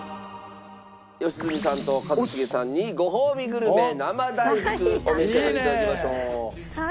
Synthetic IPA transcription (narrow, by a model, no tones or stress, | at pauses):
jo̞ɕizɨmʲisãnt̪o̞kat͡soɕiɡe̞sãɲ̟ːiɡo̞ɦoːmʲiɡɯ̟ɾɯ̟me̞namad̪aikɯ̟omiɕeɾaɾiːt̪ad̪akʲemaɕo̞ː